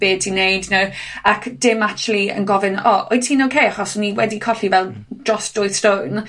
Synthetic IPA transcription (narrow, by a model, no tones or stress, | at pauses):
b̥eːd̚tʰinejdnowakʰd̥ɪmat͡ʃlˠiə̰nɡɔvɪnɔo̰ɨ̥tʰiːnokʰejaχɔsniwɛdikʰɔɬivɛlˠd̥rɔsd̥ɔɨθstown